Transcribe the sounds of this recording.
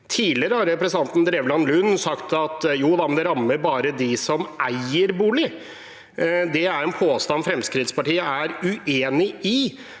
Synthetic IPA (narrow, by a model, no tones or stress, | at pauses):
t̪ʰiːlɪɾəhɑɾɛpɾɛsɪt̪ɑnt̪n̩d̪ɾeʋlɑnlʉnːsɑkt̪ɑt̪juːd̪ɑmɛnd̪ɛɾɑmːəɾbɑːɾəd̪ɪsɔmʔæɪəɾbuːɭɪ | d̪ɛæɾɛnpʰoːst̪ɑnfɾɛmskɾɪt̪spɑʈiːəæɾʉʔeːnɪʔɪ